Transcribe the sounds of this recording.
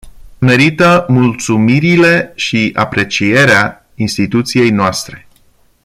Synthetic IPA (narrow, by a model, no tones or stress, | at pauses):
me̞ɾit̪əmult̪sumiɾile̞ʃia̰pɾe̞t͡ʃije̞ɾea | inst̪it̪ut̪sije̞jnoast̪ɾe̞